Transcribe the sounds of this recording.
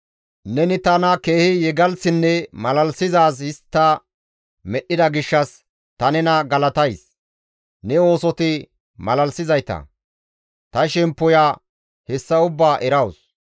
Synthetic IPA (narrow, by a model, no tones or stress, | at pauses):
nɛnɪt̪ɐnɐke̞ːhɪjɛɡɐlsɪnːɛmɐlɐlsɪzaːs̬ɪst̪ːɐ | mɛɗːɪd̪ɐɡɪʃːɐs | t̪ɐnɛnɐɡɐlɐt̪ɐjs | nɛo̞ːsɔt̪ɪ | mɐlɐlsɪzɐjt̪ɐ̰ | t̪ɐʃɛmpːɔjaː | hɛsːɐʊbːaːʔɛɾɐws